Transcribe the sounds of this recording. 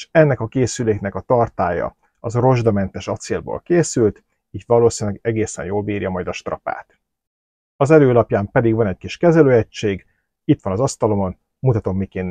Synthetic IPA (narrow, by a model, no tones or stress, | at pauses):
ʃɛnːɛkɒkeːsyleːknɛkɒt̪ɒrt̪aːjɒ̰ | ɒzro̞ʒd̪ɒmɛnt̪ɛʃɒt̪seːlbo̰ːlkeːsylt̪ | iːt̪ʋɒloːsinlɛɡɛɡeːsɛ̰njoːlbiːrjɒmɒjd̪ɒʃt̪rɒ̰pa̰ːt̪ | ɒzɛløːlɒpjaːmpɛd̪iɡʋɒnɛckiʃkɛzɛløːɛct͡ʃːeːɡ | it̪ʋɒnɒzɒst̪ɒlo̞mo̞n | mut̪ɒt̪o̞mːikeːnː